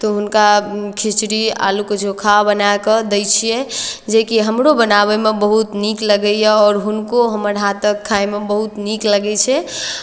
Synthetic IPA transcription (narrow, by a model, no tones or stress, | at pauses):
t̪ɔɦunkakʰit͡ʃɾia̰luked͡ʒokʰabənaekəd̪əjt͡ʃʰijɛd͡ʒekiɦəmɾobənaβemebəɦut̪nikləɡəjeɔːɾɦunkoɦəməɾɦat̪əkʰːaemebəɦut̪nikləɡɛt͡ʃʰɛ